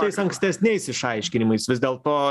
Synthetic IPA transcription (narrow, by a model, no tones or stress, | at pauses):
ɐɪsɐŋksʲt̪ʲɛsʲnʲɛɪsɪʃɐɪʃʲkʲɪnʲɪmɐɪsʋʲɪzd̪ʲeːlˠt̪oː